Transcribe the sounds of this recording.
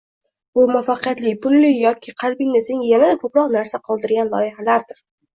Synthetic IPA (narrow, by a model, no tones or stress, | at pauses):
bʊmafaqɨjat̪lɪpʰʊnlɪjɒkʲʰɪqʰɑlbɪnɪseŋjanad̪akʰɵpɾɒqnaɾsaqʰɒlˠd̪ɪɾɡʲanlˠɒ̰jɪɦalaɾd̪ɪɾ